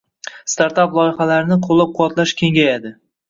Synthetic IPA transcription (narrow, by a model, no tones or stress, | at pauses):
st̪aɾt̪aplˠɒjɪχalaɾɪnɪqʰolˠɪp̚qʰʊwat̪laʃkʲʰe̞ŋɡʲajad̪ɪ